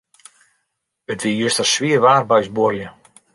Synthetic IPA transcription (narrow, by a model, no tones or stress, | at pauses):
ətʋijøstəsʋiəʋaːrbœɥsborljə